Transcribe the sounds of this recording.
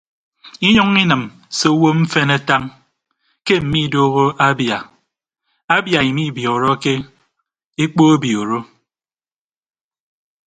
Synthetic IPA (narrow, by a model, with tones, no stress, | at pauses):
i˦ɲɔ˦ŋi˦nɨ˨m | se˦o˦wo˦m̩˦fe˦ne˦ta˦ŋ | ke˦m̩˨mi˦˨doː˦ɣo˦ʔa˦bja˨ | a˦bja˨i˨mi˦˨bjɔː˨ɾɔ˦ke˦ | e˦k͡po˦e˦bjoː˨ɾo˦